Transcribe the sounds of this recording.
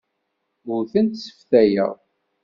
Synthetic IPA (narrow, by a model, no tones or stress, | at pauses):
muθənt̪sə̥fθæjə̰ʁ